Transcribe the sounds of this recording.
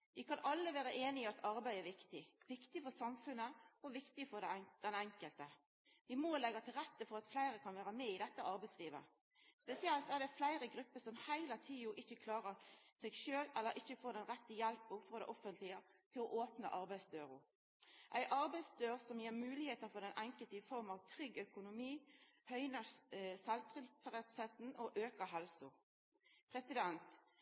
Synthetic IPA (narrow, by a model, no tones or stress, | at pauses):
ʋɪkɑnɑlːəʋæːɾəʔeːnɪɪɑt̪ɑɾbæɪæɾʋɪkt̪ɪʋɪkt̪ɪfɔsɑmfʉnːəɔʋɪkt̪ɪfɔd̪ɛd̪̥ɛnɛŋkəlt̪ə | ʋɪmolɛɡət̪ʰɪlɾɛt̪ːəfɔɾɑt̪flæɪɾəkʰɑnʋæːɾəmɛɪd̪ɛt̪ːəʔɑɾbæɪsliːʋə̰ | spɛsɪɛlt̪æʁd̪ɛflæɪɾəɡɾʉpːəsɔmhæɪlət̪ʰiːʊʔɪçːəkʰlɑːɾəɾsɛɡʃøːlɛlːəɾʔɪçːəfoːd̪ɛnʁɛt̪ːəjɛlpʊfɔd̪ɛ̰ʔɔfənt̪lɪət̪ʰɪlɔʔoːpnə̰ʔɑɾbæɪsd̪øːʁʊ | ʔæɪʔɑɾbæɪsd̪øːʁsɔmjeːɾmʉːlɪheːt̪əfɔd̪ɛnʔæŋkəlt̪əɪfɔɾmɑʋt̪ʰʁʏɡœkʊnʊmiːhœʏnəsɑlt̪ʁɪlfəʁɛt̪set̪n̩ɔʔøːkəɦɛlsʊ | pʰɾɛsɪd̪ɛnt̪